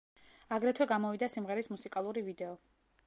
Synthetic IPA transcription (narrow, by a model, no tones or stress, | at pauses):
aɡɾɛt̪ʰwɛɡamɔvid̪asimʁɛɾismusikʼalˠuɾivid̪ɛɔ